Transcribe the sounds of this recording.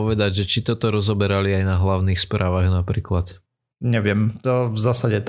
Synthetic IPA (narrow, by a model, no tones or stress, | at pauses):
ɔʋɛd̪aɟʒɛt͡ʃit̪ɔt̪ɔɾɔzɔbɛɾaliajnaɦlaʊniːxspɾʔaːʋaːɣnapɾiːklat̪ | ɲɛʋɪɛmt̪ɔvzaːsaɟɛt̪